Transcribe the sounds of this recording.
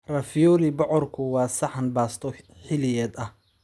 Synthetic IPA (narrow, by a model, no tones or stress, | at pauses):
rɐfjɔːlɪbʊʕɔrkʰʊwɑːsɑħɑnbaːst̪ʰɔ | ħɪlɪjɛːd̪ɐh